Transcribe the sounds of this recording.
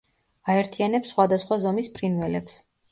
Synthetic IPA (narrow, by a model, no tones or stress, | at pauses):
aɛɾt̪ʰianɛpsːχwad̪asχwazɔmispʰɾinvɛlɛps